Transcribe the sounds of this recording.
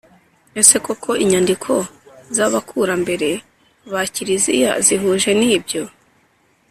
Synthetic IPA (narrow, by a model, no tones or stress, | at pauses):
ese̞kokʰo̞iɲandikʰo̞zaβakʰuɾambe̞ɾe̞ | βaciɾizḭja̰ziɦuʒe̞niːbɟo̞